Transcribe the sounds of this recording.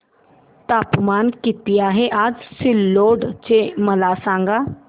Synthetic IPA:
t̪aːpmaːnkɪt̪ijaɦeʔaːd͡ʒsɪlːoːɖt͡ʃeməlaːsãːŋɡaː

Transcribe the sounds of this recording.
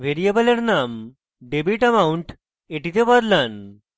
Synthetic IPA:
ʋeɾijebəleɾnam | ɖebiʈəmauɳʈ | eʈit̪ebəd̪lan

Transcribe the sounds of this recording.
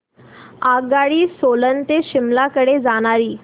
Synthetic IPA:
aɡaɭiːsolənt̪eɕimlakəɽed͡zaɽ̃aɾiː

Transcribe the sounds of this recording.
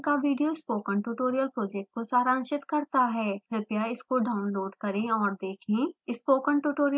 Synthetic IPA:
kaʋiːɖijoɪspoːkə̃ɳʈuːʈoːɾijəlpɾoːd͡ʒɛk̚ʈ̚kosaːɾaːnʃɪt̪kɐɾt̪aɦɛːɾɪp̪jaɪskoɖaːʊnloːɖkɐɾẽɔːɾd̪eːkʰẽɪspoːkənʈuːʈoːɾij

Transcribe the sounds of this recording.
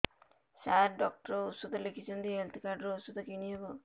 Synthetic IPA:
saɾɖɔk̚ʈɔɾɔusud̪ʱɔlekʰit͡ʃʰɔnt̪iɦelt̪ikaɾɖɔɾɔusud̪ʱɔkiñiɦebɔ

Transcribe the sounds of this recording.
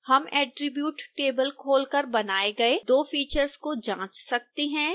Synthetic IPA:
hɐmɛːʈɾɪbjuːʈʈeːbəlkʰoːlkɐɾbɐnaːeɡɐed̪oːfiːt͡ʃəɾskod͡ʒãːt͡ʃsɐk̚t̪eɦɛ̃ː

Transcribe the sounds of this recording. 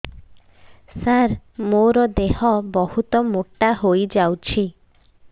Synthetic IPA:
saɾmoɾɔd̪eɦɔbɔhut̪ɔmoʈːaɦojd͡ʒawt͡ʃʰi

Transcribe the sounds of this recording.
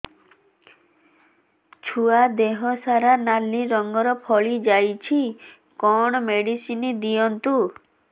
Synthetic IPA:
t͡ʃʰuad̪eɦɔsaɾanalːiɾɔŋɡɔɾɔpʰɔɭid͡ʒajt͡ʃʰi | kɔɽ̃ɔmeɽisinid̪iɔnt̪u

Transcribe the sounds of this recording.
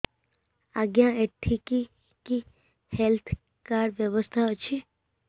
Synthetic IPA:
aɡjãeʈʰːiki | ki | helt̪ʰ | kaɾʋjəʋəst̪ʰat͡ʃʰi

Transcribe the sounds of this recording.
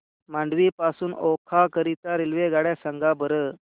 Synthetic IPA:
maɳɖʋipasuːnɔkʰakəɾit̪aɾilʋeɡaɽjasəŋɡabəɾə

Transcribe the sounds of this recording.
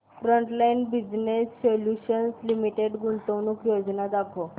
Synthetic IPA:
fɾəɳʈlainbid͡ʑnesːoljuɕənslimiʈeɽɡunt̪əwnukjod͡znad̪akʰo

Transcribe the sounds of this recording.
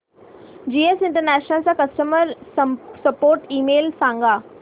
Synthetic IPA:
d͡ʑiːesɪ̃ɳʈəɾnɛːʃnəlsãkɐsʈəməɾsɐpoːɾʈiːmeːlsãːŋɡaː

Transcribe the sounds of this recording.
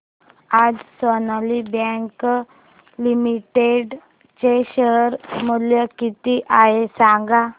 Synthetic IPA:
ad͡zsonalibɛ̃ŋk | limiʈeɖ | t͡ɕeɕəɦɾməljəkit̪iʔaɦesaŋɡa

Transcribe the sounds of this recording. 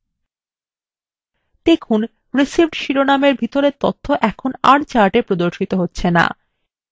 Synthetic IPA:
d̪̥ekʰun | ɾesibɖʃiɾonameɾbʱit̪oɾeɾt̪ot̪ʰːoʔɛkʰonaɾt͡ɕaʈepɾod̪oɾʃit̪oɦotːɕʰena̰

